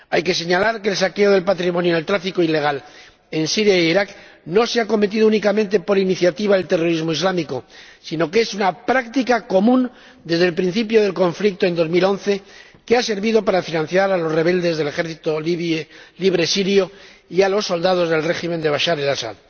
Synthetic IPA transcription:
ajke̞se̞ɲalaɾkeːlsake̞o̞ðe̞lpat̪ɾimonjonelt̪ɾafikoile̞ɣ̞al | e̞nsiɾjaeiɾakno̞seako̞met̪̬iðounikamẽnt̪e̞po̞ɾiniθjat̪iβaðelt̪ero̞ɾizmo̞izlamiko̞sino̞ke̞sunapɾakt̪ikako̞mũn | d̪e̞zðelpɾin̟θipjo̞ðe̞lko̞ɱflik̚t̪oe̞nd̪o̞zmilo̞nθe̞ | kease̞ɾβiðo̞paɾafinãn̟θjaɾalo̞sre̞βe̞ld̪e̞zðele̞xeɾθit̪o | liβɾe̞siɾjoialo̞sːo̞ld̪að̞o̞zðe̞lre̞ximend̪e̞β̞aʃaɾelasa̰ð

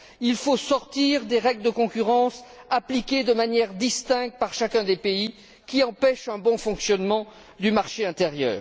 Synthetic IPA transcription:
ilfosɔʁt̪iʁd̪eʁɛɡld̪əkɔ̃kʲyʁɑ̃saplikʲed̪əmanjɛʁd̪ist̪ɛ̃kt̪̚paʁʃakʲɛ̃d̪epei | kʲiɑ̃pɛʃɛ̃bɔ̃fɔ̃ksjɔnmɑ̃ | d̪ymaʁʃeɛ̃t̪eʁjœ̰ːʁ

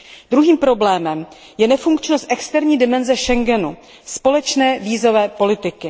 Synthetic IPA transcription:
d̪ɾuɦiːmpɾo̞blɛːmɛm | jɛnɛfuŋkt͡ʃno̞st̪ʔɛkst̪ɛɾɲiːdɪmɛnzɛʃɛŋɡɛnu | spo̞lɛt͡ʃnɛːviːzo̞vɛːpo̞lɪt̪ɪkɪ

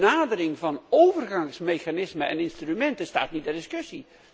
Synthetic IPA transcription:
naːdəɾɪŋvɑnowvərɣɑŋsmejxanɪsməɛ̰nɪnstrymɛntəsta̰ːtnit̚dɛrdɪskɵsi

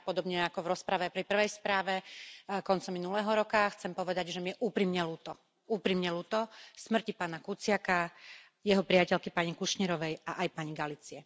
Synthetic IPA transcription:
pɔd̪ɔbɲɛakɔvɾɔspɾaʋɛpɾipr̩ʋɛjspɾaːʋɛkɔnt͡sɔmːinulɛːɦɔɾɔkaxt͡sɛmpɔʋɛd̪aɟʒɛmɪjɛʔuːpɾiːmɲɛluːt̪ɔ | uːpɾiːmɲɛluːt̪ɔsmr̩cipaːnakut͡sɪaka | jɛɦɔpɾiacɛʎkipaɲikuʃɲiɾɔʋɛjaʔajpaɲiɡalit͡siɛ

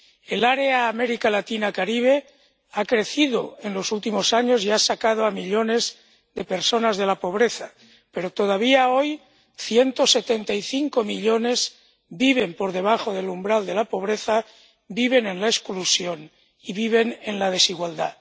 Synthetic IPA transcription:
elaɾeaːmeɾikalat̪inakaɾiβ̞e̞ | akɾe̞θiðo̰enlo̞sult̪imo̞saɲo̞siasakað̞oamiʎo̞ne̞z | ðe̞pe̞ɾso̞nazð̞e̞lapo̞β̞ɾeθa | pe̞ɾot̪oðaβiao̞j | θje̞nt̪o̞se̞t̪ent̪aiθiŋko̞miʎo̞nez | biβ̞e̞mpo̞ɾð̞e̞βaxo̞ðe̞lumbɾald̪e̞lapo̞β̞ɾeθa | biβe̞nẽnlaesklusjo̞n | iβiβ̞e̞nenlað̞e̞siɣwald̪a̰

